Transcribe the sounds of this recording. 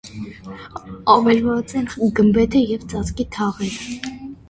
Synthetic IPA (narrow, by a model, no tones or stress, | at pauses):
ɑvɛɾvɑt͡sɛnɡəmbɛt̪ʰəjɛvt͡sʼɑt͡skit̪ʰɑʁɛɾ